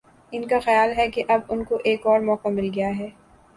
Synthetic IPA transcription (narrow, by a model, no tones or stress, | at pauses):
ɪnkaxɐjaːlɦɛkeʔɐbʊnkoʔeːkɔːɾmɔːkamɪlɡɐjaɦɛː